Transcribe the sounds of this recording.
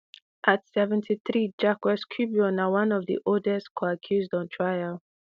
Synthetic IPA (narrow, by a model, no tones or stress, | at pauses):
ʔatsɛvɛ̃ntʰiθɹid͡ʒakwɛskʰjubiɔ̃nawãnɔvðḭʔɔdɛskʰɔakʰjuzdɔ̃ntʰɹajal